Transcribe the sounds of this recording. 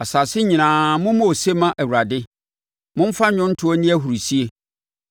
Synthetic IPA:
a˨saː˨sɪ˦ɲĩ˨nãː˨mʊ̃˦mʊ̃˦o˨se˦mã˦ʔæ˨wu˨ɾa˨dɪ˦ | mʊ̃˦m˦fa˦ɲʊ̃˦n̩˦tʰʊ˨˦ɔ˦nĩ˦æ˦ɦu˨ɾi˨si˦e˦

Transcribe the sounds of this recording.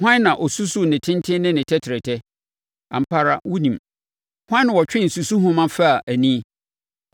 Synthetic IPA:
hwã˦nːã˨ʔɔ˨su˦su˦nɪ̃˨tʰɪ̃˦ntʰɪ̃˦nɪ̃˦nɪ̃˨tʰɛ˦tʰɪ˨ɾɛ˨tʰɛ˦ | ã̰˨m̩˨pʰa˦ɾa˦wu˦nĩ˨m | hwã˦ñ˨wɔ˨t͡ɕᶣɪ̃˦n̩˨su˨su˦ɦʊ̃˦mã˦fa˦˨ʔæ˨nĩ˦

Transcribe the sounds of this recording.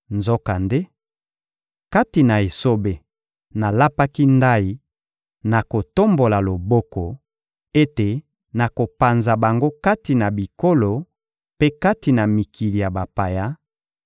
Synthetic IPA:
nzo˦ka˨nde˦ | ka˦ti˨na˨e˨so˦be˨ | na˨la˦pa˦ki˦nda˦i˨ | na˨ko˨to˦mbo˨la˨lo˨bɔ˦kɔ˨ | e˦te˨ | na˨ko˨pa˨nza˨ba˨ŋɡo˦ka˦ti˨na˨bi˨ko˦lo˨ | pe˦ka˦ti˨na˨mi˨kʰi˨li˨ja˨ba˨pa˨ja˦

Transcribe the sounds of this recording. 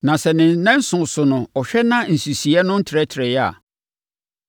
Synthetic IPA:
nã˨sɛ˨nɪ̃˨nɛ̃˦n̩˦sʊ̃˨sʊ˨nʊ̃˨ɔ˨ɕᶣɛ˦nã˦n̩˨su˨si˨ɛ˦nʊ̃˦n̩˦tʰɪ˨ɾɛ˦tʰɾɛ˨jɛ˦a̰˨

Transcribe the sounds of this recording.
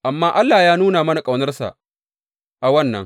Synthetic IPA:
ʔa˨mːaː˦ʔa˦lːaː˨jaː˦nuː˦naː˨mɐ˦na˨kʼa˨wnɐ˦rsa̰˨ʔ | ʔa˨wɐ˦nːɐ̰˨ŋ

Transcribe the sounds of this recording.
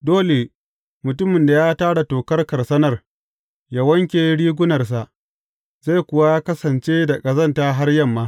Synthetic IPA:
doː˦le˨ | mʊ˨tʊ˦mɪ˨nda˨jaː˦taː˦ɽa˨toː˨kɐ˦rkɐ˨rsɐ˦nɐ˨r | ja˦wɐ˦ŋkʲeː˨˦ɽiː˦ɡʷʊ˦nɐ˨rs̬a˨ʔ | za˦˨jkʷʊ˨wa˦ja˦kɐ˦sɐ˨nt͡ʃeː˦da˨kʼɐ˨zɐ˦˨ntaː˦ɦa˦rjɐ˦mːaː˦

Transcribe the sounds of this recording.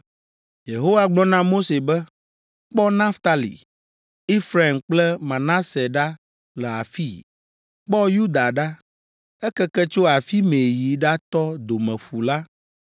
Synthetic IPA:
je˨ɦo˦wa˦ɡ͡blɔ̃˦nã˦mo˦se˨bɛ˦ | k͡pɔ˦nã˦ft̪a˦lḭ˨ | i˦fɾa˨e˨mk͡plɛ˦mã˨nã˦sɛ˨ɖa˦ | lɛ˨a̰˨fi˦˨ | k͡pɔ˦ju˦d̪a˨ɖa˦ | ɛ˦kɛ˦kɛ˦t͡ʃo˦a˨fi˦me˨ji˨ɖa˦t̪ɔ˦d̪o˨mɛ̃˨ɸu˨la˦

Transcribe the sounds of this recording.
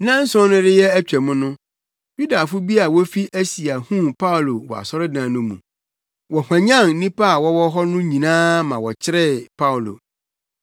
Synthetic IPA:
nã˦n̩˦sɔ̃˦nʊ̃˦dɪ˦jɛ˦æ˦t͡ɕᶣɛ˨mʊ̃˦nʊ̃˦ | ju˦da˨fʊ˦bi˦a˨wɔ˦fi˦ʔæ˦si˨a˨hũ˦pʰa˦o˨lo˨wɔ̰˨a̰˨sɔ˦ɾɪ˦dã˨nʊ̃˦mṵ̃˨ | wɔ˨hʷã˨ɲã˦˨n̩˦nĩ˦pa˦a˨wɔ˦wɔ˦ɦɔ˦nʊ̃˦ɲĩ˨nãː˦mã˨wɔ˨t͡ɕʰɪ˦ɾɛ˦pʰa˦o˨lo̰˨

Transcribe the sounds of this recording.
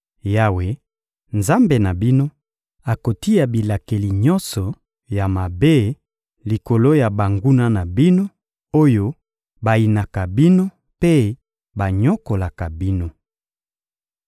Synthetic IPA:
ja˦we˨˦ | nza˦mbe˨na˨bi˦no˦ | a˨ko˨ti˦ja˨bi˨la˨ke˨li˨ɲɔ˦nsɔ˨ | ja˨ma˨be˦ | li˨ko˨lo˦ja˨ba˨ŋɡu˦na˦na˨bi˦no˦ | o˦jo˦ | ba˨i˨na˨ka˨bi˦no˦ | pe˦ | ba˨ɲɔ˦ko˨la˨ka˨bi˦no˦

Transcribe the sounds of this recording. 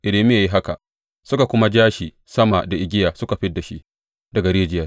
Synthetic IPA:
ʔɪ˨leː˨mɪ˦ja˨ji˦ɦa˦ka˨ʔ | sʊ˦ka˨kʷʊ˦ma˦d͡ʒaː˦ʃiː˨ | sɐ˦ma˨da˨ʔɪ˨ɡʲɪ˦jaː˨sʊ˦ka˨ɸɪ˦dːa˨ʃḭ˦ʔ | dɐ˨ɡa˨ɾeː˦d͡ʒɪ˦jaː˦

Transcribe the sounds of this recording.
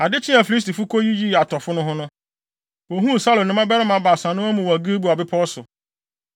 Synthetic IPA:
a˨dɪ˦t͡ɕʰĩ˦a˨fi˨li˦s̬ti˨fʊ˦kʰo˦ji˦ji˦˨a˨tʰɔ˨fʊ˦nʊ̃˦ɦʊ̃˦nʊ̃˦ | wo˨ɦũ˦˨sa˦lõ˨nʊ̃˦mã˦bɛ˦ɾɪ˦mã˨˦ba˨sã˨nʊ̃˦a˦mũ˨wæ˨ɡi˦bu˨a˨bɪ˦pʰɔ˦sʊ˨

